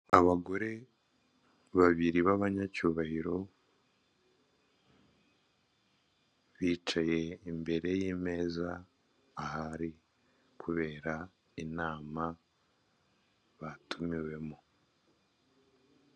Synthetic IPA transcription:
aβaɡo̞ɾe̞ | βaβiɾiβaβaɲacuːβahiɾo̞ | βiːt͡ʃaje̞imbe̞ɾe̞jiːme̞ːzaː | haɾi | kʰuβe̞ːɾa | inaːma | βatʰumiwe̞mu

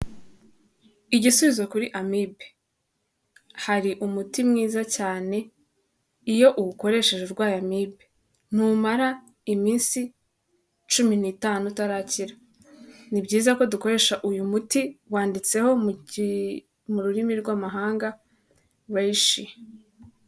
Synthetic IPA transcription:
iɟisuβizwakuɾiʔamibe̥ | haɾiʔumutimŋiːzacaːne̞ | ijo̞ʔuuko̞ɾe̞ʃe̞ʒuɾɡwaːjamibe | n̥umaɾa | imiːnsi | t͡ʃuminitaːnutaɾaːciɾa | nibɟiːzako̞duko̞ɾe̞ʃaʔujumutiwaːndit͡se̞ho̞m | muɾuɾimiɾɡwaːmaɦaːŋɡa | wajiʃi

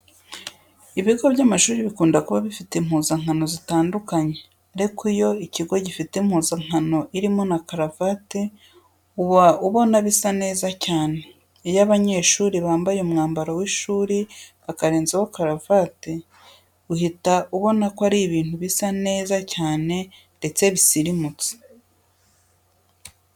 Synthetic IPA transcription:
iβiɡo̞βjaːmaʃuːɾiβikuːndakuβaβifitem̥huːzaŋano̞zitaːndukaɲe̞ | aɾikijo̞iciɡo̞ɟifitemhuːzaŋ̥hano̞ʔiɾimo̞nakaɾavate | uβauβo̞naβisane̞ːzacaːne̞ː | jaβaɲe̞ːʃuːɾiβaːmbajeumŋaːmbaɾawiʃuːɾiβakaɾe̞ːnzewokaɾavate | uɦitaʔuβo̞nakoaɾiβiːnhuβisane̞ːzacaːne̞ | nde̞t͡se̞βisiɾimut͡si̥

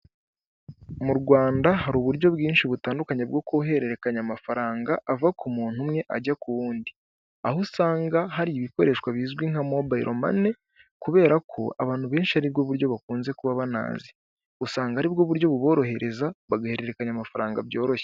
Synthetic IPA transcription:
muɾɡwaːndaɦaɾuːβuɾɟo̞bɡiːnʃiβutaːndukaɲeb̚ɡo̞kuuɦe̞ɾe̞ɾe̞kaɲamafaɾaːŋɡaʔːvakʰumuːn̥humŋe̞ʔaɟakuβuːndi | ahusaːŋɡaɦaɾiiβiko̞ɾe̞ːʃkwaβiːzɡwiŋ̥hamobaiɾʔo̞ma̰ne̞ | kuβe̞ːɾakʰo̞a̰βaːn̥huβe̞ːnʃihaɾib̚ɡoβuɾɟo̞βakuːnze̞kuβaβana̰ːzi | usaːŋɡaaɾib̚ɡoβuɾjo̞βuβo̞ːɾo̞ɦe̞ɾʔe̞zaβaɡahe̞ɾe̞ɾekaɲamafaɾaːŋɡabjo̞ːɾo̞çe

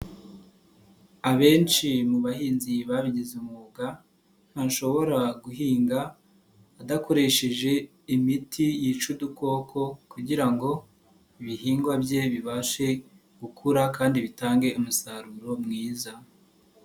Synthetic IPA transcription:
aβe̞ːnt͡ʃimuβahiːnziβaβiɟizumuɡa | n̥hanʃo̞βo̞ɾaɡuɦiːŋɡaː | dako̞ɾe̞ʃe̞ʒe̞ | imitʰijit͡ʃuduko̞ːkʰo̞kuɟiɾaŋɡo̞ | iβihiːŋɡwabje̞βiβaʃe̞ | ɡ̥ukʰuɾakaːndiβitaːŋɡe̞umusaɾuɾo̞mŋiːza

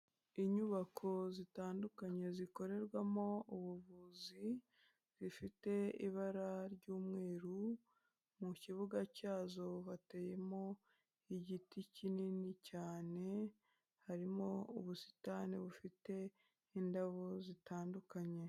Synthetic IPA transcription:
iɲuβakʰo̞zitaːndukaɲe̞ziko̞ɾe̞ɾɡwamo̞uβuβuzi | zifite̞iβaɾaɾɟuːmŋe̞ːɾu | muciβuɡacaːzo̞βate̞je̞mo̞ | iɟiticininicaːne̞ | haɾimo̞uβusi̥taniβufite̞ | indaβozitaːndukaɲe̞

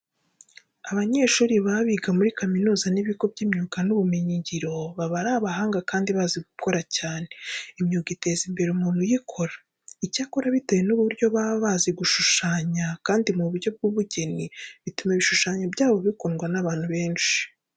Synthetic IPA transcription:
aβaɲe̞ːʃuːɾiβaβiɡamuɾikaminuːzaniβiɡo̞bɟiːmɲuːkanuβumeɲiɲɟiɾo̞βaβaɾaβaɦaːŋɡakaːndiβaːziɡukʰo̞ɾacaːne̞imɲuːkite̞ːzimbe̞ɾeumuːnhujikʰo̞ɾa | icaːkoɾaβitojenuβuɾɟo̞βaβaːziɡuʃuʃaːɲakaːndimuβuɾɟo̞b̚ɡuβuɟe̞niβitumeβiʃuʃaːɲabɟaːβo̞βikonɡwanaβaːn̥huβe̞ːnʃi̥

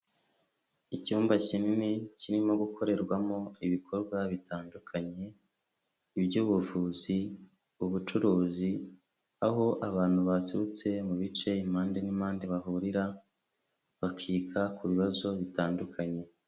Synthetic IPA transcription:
icuːmbacinineciɾimo̞ɡukʰo̞ɾe̞ɾɡwamo̞iβikʰo̞ɾɡwaβitaːndukʰaɲe̞ː | βjuβuvuzi | uβut͡ʃuɾuːzi | aɦo̞ʔaβaːn̥huβatuɾut͡se̞muβit͡ʃe̞imaːndenimaːndeβaɦuɾiɾa | βakʰiːkʰakʰuβiβazo̞βitaːndukʰaɲe̞

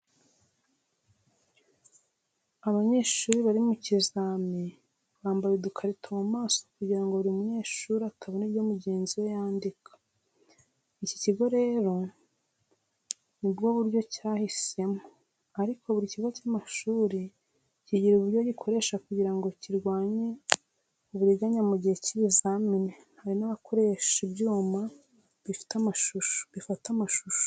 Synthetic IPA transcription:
aβaɲe̞ːʃuːɾiβaɾimucizaːmi | βaːmbajedukʰaɾitʰomumaːso̞kuɟiɾaŋɡoβuɾimuɲe̞ːʃuɾiatʰaβoniβɟoːmuɟe̞ːnziwejaːndikʰḁ | ici̥ciɡo̞ɾe̞ːɾo̞ | nibɡo̞βuɾɟo̞cahise̞mo | aɾikʰo̞βuɾiciɡo̞camaʃuːɾi | ciɟiɾuβuɾɟoɟikʰo̞ɾe̞ːʃakuɟiɾaŋɡo̞ciɾɡwaːɲe̞ | uβuɾiɡaɲamuɟiheciβizamine | haɾinaβakʰo̞ɾe̞ʃibɟuːma | βifi̥tamaʃuʃo̥βifatamaʃuʃu̥

